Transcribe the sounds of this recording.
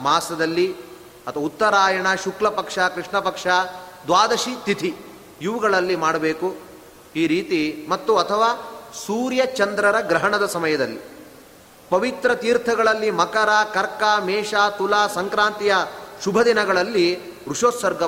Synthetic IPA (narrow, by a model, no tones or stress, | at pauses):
maːsɐd̪ɐlːi | ɐt̪ʰɐʋɐut̪ːɐɾaːjɐɳɐʃuklɐpɐkʂakɾiʂɳɐpɐkʂad̪ʋaːd̪ɐʃit̪it̪ʰi | juʋuɡɐɭɐlːimaːɽɐbeːku | iːɾiːt̪imɐt̪ːuɐt̪ʰɐʋaːsuːɾjɐt͡ʃɐnd̪ɾɐɾɐɡɾɐɦɐɳɐd̪ɐsɐmɐjɐd̪ɐlːi | pɐʋit̪ɾɐt̪iːɾt̪ʰɐɡɐɭɐlːimɐkɐɾaːkɐɾkaːmɛːʃaːt̪ulaːsɐŋkɾaːnt̪ijɐʃubʱɐd̪inɐɡɐɭɐlːi | ɾuʂoːsɐɾɡɐ